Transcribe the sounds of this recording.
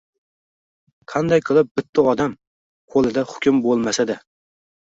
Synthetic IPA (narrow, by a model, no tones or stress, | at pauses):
qʰɑnd̪ajqʰɨlˠɪp̚bɪt̪ʰːɪɒd̪am | qʰolˠɪd̪ahʊ̥kʲɪmbolˠmasad̪ɪ